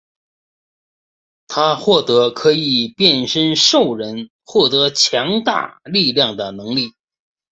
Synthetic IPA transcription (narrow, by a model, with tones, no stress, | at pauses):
t̪ʰa˥xwɔ˥˩t̪ɤ˧˥kʰɤ˧˥i˨˩pjɛ˥˩nʂə˥nʂo˥˩ʊɻə˧˥n | xwɔ˥˩t̪ɤ˧˥t͡ɕʰjɑ˧˥ŋt̪a̰˥˩li˥˧ljɑ˥˩ŋd̪ə˩nɤ˧˥ŋli˥˩